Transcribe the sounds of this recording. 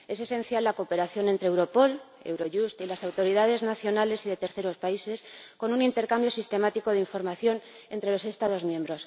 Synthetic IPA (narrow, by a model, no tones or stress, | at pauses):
e̞se̞se̞nθjalːako̞pe̞ɾaθjo̞ne̞nt̪ɾewɾo̞po̞l | ewɾo̞ʝust̪ilasawt̪o̞ɾiðað̞e̞znaθjo̞nale̞siðe̞t̪e̞ɾθeɾo̞spaise̞sko̞nunint̪e̞ɾkambjo̞sist̪e̞mat̪iko̞ð̞eiɱfo̞ɾmaθjo̞n | e̞nt̪ɾe̞lo̞se̞st̪aðo̞zmjẽ̞mbɾo̞s